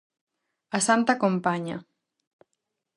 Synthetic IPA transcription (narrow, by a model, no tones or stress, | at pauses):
asant̪akompaɲa̰